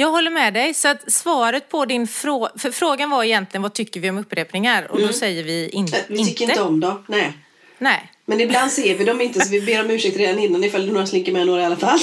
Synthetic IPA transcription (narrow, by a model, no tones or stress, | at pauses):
jɑːɡɦɔlːəɾmɛd̪ɛjsɔat̪svɑːɾət̪̚pʰɔd̪ɪnfɾoːfœɾfɾoːɡanvaɾɛjɛnt̪lɪɡənvat̪ʰʏkːəɾvɪɔmɵpːɾeːpnɪŋaɾɔ̰d̪ɔsɛjːəɾvɪɪ̰nvɪtɪnʏkːəɾɪnəɔmd̪ɔnɛː | nɛɪ | mɛnɪbland̪seːɾvɪd̪ɔmɪnt̪əsɔvɪbeːɾɔmʉ̟ːʂɪk̚t̪ɾeːd̪anɪnːanɪfald̪ɵnoːɾaslɪŋkːəɾmɛnoːɾaɪalafalː